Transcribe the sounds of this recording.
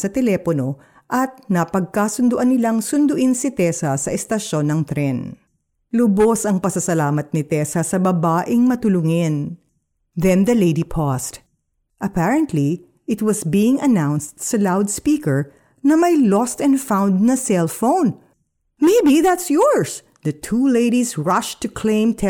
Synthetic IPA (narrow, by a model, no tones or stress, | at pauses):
sɐt̪ɛlɛpono̞ | ʔɐt̪̚nɐpɐɡ̚kasʊnd̪ʊʔɐnːɪlaŋsʊnd̪ʊʔinsɪt̪ɛsɐsɐʔɛst̪ɐʃo̞nːɐŋt̪ɾɛn | lʊbosɐŋpɐsɐsɐlaːmɐt̪̚nɪt̪ɛsɐsɐbɐbaːʔɪŋmɐt̪ʊlʊŋɪn | ðɛ̃nd̪ɐlejd̪ipʰɔst̪ | ʔɐpæɹɐ̃nt̪li | ʔɪt̪̚wɐsbiɪ̃ŋɐnãwnst̪sɐlawd̪spikɛɹ | nɐmɐjlɔst̪ɛ̃nfãwnd̪̚nɐsɛlfõwn | meɪbiðæt̪sjɔɹs | d̪ɐt̪ʰuleɪdisɹɐʃt̪ʊkʰlẽɪ̃mt̪ʰɛ